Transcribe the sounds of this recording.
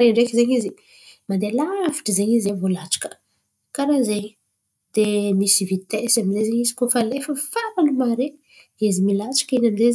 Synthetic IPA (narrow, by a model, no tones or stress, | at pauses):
ɾeɳɖ͡ʐekizeɲizi | mand̪elavi̥ʈ͡ʂəzeɲizevolat͡ʃḁkə̥ | kaɾazeɲ | d̪̥emisivit̪esaminzezeɲizi̥kofalefəfaɾanumaɾe | izimilat͡ʃḁkəinanze